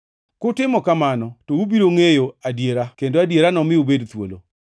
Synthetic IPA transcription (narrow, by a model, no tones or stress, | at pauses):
kʊtɪmɔkamanɔtoubiɾoŋejoadjeɾakendoadjeɾanɔmɪubedt̪wo̰lo̰